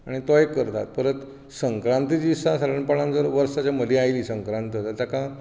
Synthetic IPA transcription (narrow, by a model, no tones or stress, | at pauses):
aɽ̃it̪ɔjekːəɾt̪a̰t̪̚pəɾət̪ | səŋkɾãnt̪əd͡ʑisasaɾəɳpaɭãnt͡səɾʋəɾsat͡ɕjaməd̪ʱiajliːsəŋkɾãnt̪ət̪at̪akã